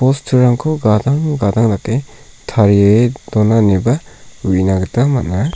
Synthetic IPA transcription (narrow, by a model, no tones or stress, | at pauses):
pɔstʰɯɾaŋkʰoɡadaŋɡadaŋlake | tʰaɾeedɔnanebauinaɡɯtamana